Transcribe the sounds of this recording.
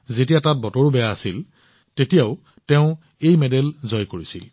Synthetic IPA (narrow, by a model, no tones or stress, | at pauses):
zetijatat̚bɔtoɹubɛjaːsil | tetijaʊ | teʊ̃ | ejmɛdɛlzɔjkoɹisḭl